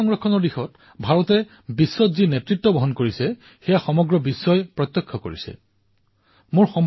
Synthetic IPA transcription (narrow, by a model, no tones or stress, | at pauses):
ɔŋɹɔkʰːɔnɔɹdixɔt | bʱaɹɔtɛ | bisːɔtzinɛtɹitːɔbɔɦɔnkoɹisɛ | xɛjaxɔmɔɡɹɔbisːɔjpɹɔt̪jɔkʰːɔko̰ɹḭsɛ̰ | mʊɹxɔm